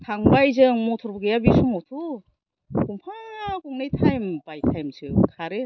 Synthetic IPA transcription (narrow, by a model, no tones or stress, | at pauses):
tʰaŋbajzɯŋmotʰuɾbuɡejabisumotʰu | koŋpʰaakuŋnetʰajmb̥ajtʰajmzɯkʰaɾɯ